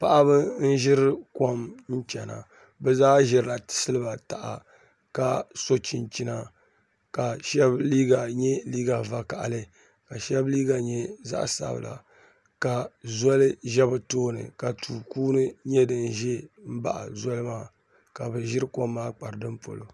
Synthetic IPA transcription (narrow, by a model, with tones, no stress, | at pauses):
pa˨ʔa˦βɨ˦n̩˦ʒɪ˦ɾɨ˦ko˦mn̩˦t͡ʃɛ˨na̰˨ | bɛ˦zaː˦ʒɪ˨ɾɨ˨la˨tɪ̥˨sɨ˦lɨ˦ba˨ta˨ʔa̰˨ | ka˨so˦t͡ʃi˨nt͡ʃi˦na˨ | ka˨ʃɛ˦bliː˦ɡa˨ɲɛ˦liː˦ɡa˨va˨ka˨ʔa̰˨lɨ˦ | ka˨ʃɛ˦bliː˦ɡa˨ɲɛ˦za̰˦ʔsa̰˦b̰la̰˨ | ka˨zɔ˦lɨ˦ʒɛ˦bɨ˨toː˦nɨ̰˨ka˨tʰuː˨kuː˦nɨ˦ɲɛ˦dɨ˨n˨ʒɛ˦m̩˦ba̰˦˨ʔa̰˨zɔ˦lɨ˦maː˦ | ka˨bɨ˨ʒɪ˦ɾɨ˦ko˦mːaː˦k͡pa˨ɾɨ˨dɨ˦m˦po̰˨lo̰˨